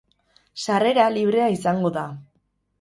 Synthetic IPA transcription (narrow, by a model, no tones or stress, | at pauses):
sare̞ɾaliβ̞ɾe̞aisaŋɡo̞ða